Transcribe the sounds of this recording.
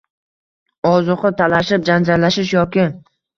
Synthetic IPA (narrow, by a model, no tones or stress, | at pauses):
ɒzʊqɨt̪ʰalaʃɪp̚d͡ʒand͡ʒaɾlaʃɪʃjɒkʲɪ